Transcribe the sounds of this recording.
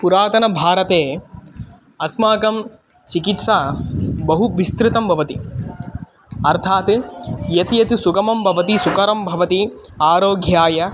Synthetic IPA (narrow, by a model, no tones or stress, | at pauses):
puɾaːt̪ɐnɐbʱaːɾɐt̪eː | ɐsmaːkɐm | t͡ʃikit̪ʃaːbɐɦuʋist̪ɾɪt̪ɐmbʱɐʋɐt̪i | ɐɾt̪ʰaːt̪jɐt̪ijɐt̪isukɐmɐmbʱɐʋɐt̪isukɐɾɐmbʱɐʋɐt̪i | aːɾoːɡʱjaːjɐ